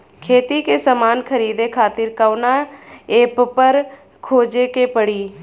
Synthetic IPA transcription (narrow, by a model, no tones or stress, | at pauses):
kʰeːt̪ikesəmaːnkʰəɾiːd̪ekʰaːt̪ɪɾkəʊnaeːppəɾ | kʰoːd͡ʒekepəɽiː